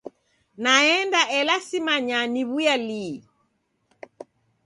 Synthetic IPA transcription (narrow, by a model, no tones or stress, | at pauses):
naɛndaʔɛlasimaɲaniβujali